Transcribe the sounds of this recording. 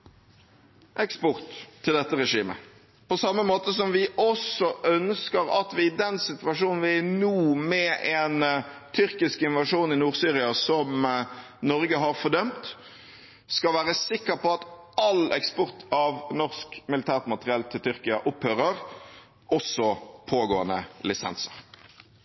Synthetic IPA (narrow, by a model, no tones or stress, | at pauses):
ʔɛkspɔʁt̪ʰːɪld̪ɛt̪ːəʁɛʂiːmə̰ | pɔsɑmːəmoːt̪əs̬ɔmʋɪʔɔsɔʔœnskəɾɑt̪ʋɪɪd̪ɛnsɪt̪ʉʋɑʂuːnn̩ʋɪænuːmɛʔɛnt̪ʰʏʁkɪskɪnʋɑʂuːnɪnuːʁsyːɾɪɑsɔm | nɔɾɡəɦɑɾfɔd̪œmt̪ | skɑlʋæːʁɾəsɪkːəɾpɔɑt̪ʔɑlɛkspɔʁt̪ʰɑʋnɔʁskmɪlɪt̪ʰæːʁt̪mɑt̪əʁɪɛlt̪ʰɪlt̪ʰʏɾkɪɑʔʊphøːɾəɾ | ɔsɔpʰoːɡoːənə̰lɪsɛ̰nsə̥̰ʁ